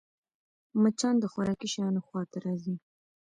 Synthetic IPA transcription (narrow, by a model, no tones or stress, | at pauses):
mət͡ʃɑnd̪əxaɾɑːkiʃɑːnoxwɑːt̪aɾɑzi